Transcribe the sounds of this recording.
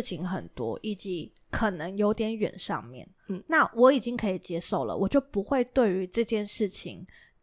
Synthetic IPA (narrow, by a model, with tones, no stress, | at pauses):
t͡ɕʰi˧˥ŋxə̰˨˩nt̪wɔ̰˥ʔi˨˩t͡ɕi˧˥ | kʰə˨˩nə˧˦ŋjo˧˥ʊt̪jɛ˧˥nɥɛ̰˨˩nʂɑ̰˥˧ŋmjɛ̰˥˩n | na˥˩wʔɔ˧˥i˨˩t͡ɕi˥ŋkʰɤ˧˥i˨˩t͡ɕjɛ˧˥ʂo˥˩ʊlə̰˩wʔɔ˨˩t͡ɕjo˥˩ʊpu˧˥xwe˥˧ɪt̪we˥˩ɪy˧˥ʈ͡ʂɤ˥˧t͡ɕjɛ˥˧nʂɻ̩˥˩t͡ɕʰḭ˨˩˦ŋ